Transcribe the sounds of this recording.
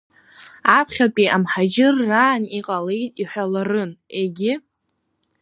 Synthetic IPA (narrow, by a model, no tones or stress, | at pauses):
apʰχʲapʼiʔamħad͡ʒɪrːaːniqʼalejtʼiħʷᶣalarɨneɡʲɪ